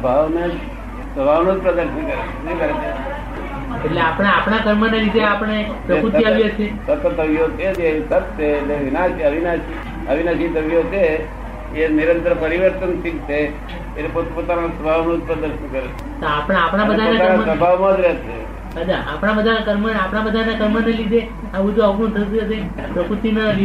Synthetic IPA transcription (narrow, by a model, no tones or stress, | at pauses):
əbʱaʋned͡ʒ | səbʱaʋnõd͡ʒpɾəd̪əɾʃənkəɾet͡ʃʰenəĩkəɾed͡ʒa | eʈleapɽ̃aapɽ̃akəɾmənaɾit̪eapɽ̃e | pɾəput̪iaʋjat͡ʃʰesət̪ət̪ːəʋjot͡ʃʰed͡ʒesət̪t͡ʃʰeːlleʋinaʃiəʋinaʃi | əʋinaʃit̪əʋjot͡ʃʰe | eniɾənt̪ɾəpəɾiʋəɾt̪ənsikt͡ʃʰe | elepot̪pot̪anasəbʱaʋnũt̪̚pəɾd̪əɾʃənkəɾet͡ʃʰet̪oapɽaapɽ̃ãbəd̪ʱanaəamsəbʱaʋmãd̪ɾet͡ʃʰe | əd͡ʒaʔa̰pɽ̃abəd̪ʱaakəɾmənapɽ̃abəd̪ʱanakəɾmənalid̪ʱe | aʋud͡ʒoaknũt̪ʰəjt̪jod͡ʒ̪e | pɾəpuɾt̪inali